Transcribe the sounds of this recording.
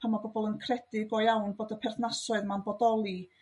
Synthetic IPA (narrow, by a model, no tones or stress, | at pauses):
pʰamabɔbɔlˠənkʰrɛd̥ɪɡɔɨjawnboːdəpʰɛrθnasɔɨðmanbɔdɔlˠi